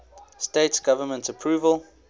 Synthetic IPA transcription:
steɪtsɡ̥avəmə̃ntəpʰɹuːvəl

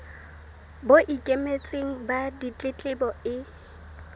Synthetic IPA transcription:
boʔikʼemet͡sʼeŋ̩badit͡ɬʼɪt͡ɬʼɪbɔɪ

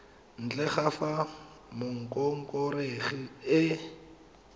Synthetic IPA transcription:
n̩t͡ɬɛχafa | mʊŋ̩kʼɔŋ̩kʼɔɾeɣɪɪ

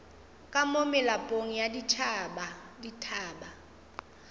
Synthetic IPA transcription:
kʼamomɛlapʼoŋijadit͡ʃʰaːɓaditʰaːɓa

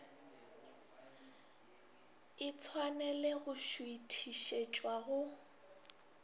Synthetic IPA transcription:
ɪt͡sʰwanɛleɣʊʃuitʰiʃet͡ʃʼwaɣʊ

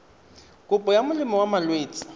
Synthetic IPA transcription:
kʼʊpʼɔjamʊlɪmɔwamalweːt͡sʼḁ

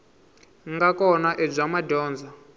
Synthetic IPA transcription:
ŋɡakɔnaʔeb͡ʐʷamadɔːnd͡za

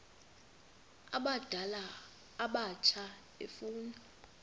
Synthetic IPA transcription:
a̰ɓad̥ʱalaː | ɓat͡ʃʰa | ḛfuːna

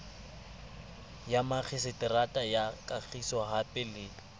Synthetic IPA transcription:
jamak͡xʰɪsɪtʼɪratʼajakʼak͡xʰisɔɦapʼɪlɪːlɔ

